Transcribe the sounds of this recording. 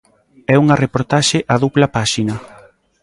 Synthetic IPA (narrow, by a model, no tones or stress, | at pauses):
ɛuŋɐrepoɾt̪aʃɪʔaðuβlɐpaʃinɐ